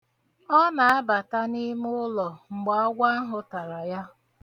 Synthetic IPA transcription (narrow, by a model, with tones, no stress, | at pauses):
ɔ˦na˨a˦ba˨ta˦ni˦mʊ˦lɔ˨ŋ͡m̩˨ɡ͡ba˨ɔ˦ɡʷa˦ɦʊ˦ta˨ɾa˨ja˦